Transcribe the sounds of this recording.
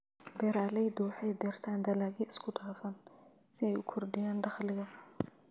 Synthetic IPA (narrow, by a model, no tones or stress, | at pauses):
bɛːɾaːlɛjd̪uħɛjbɛːrt̪ʰaːnd̪ɐlaːɣiɪskʰʊd̪ʰaːfɐn | sɪɛjʊkʰɔrdɪjaːnɖɑχlɪɣɐ